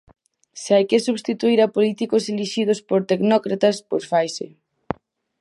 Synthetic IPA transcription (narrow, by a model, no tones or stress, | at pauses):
seajkesuβst̪it̪uiɾɐpolit̪ikoseliʃið̞ospoɾt̪eknɔkɾat̪aspoɾfajsɪ̰